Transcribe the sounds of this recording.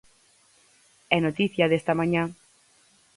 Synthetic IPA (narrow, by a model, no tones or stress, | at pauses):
ɛnot̪iθjaðest̪amãɲã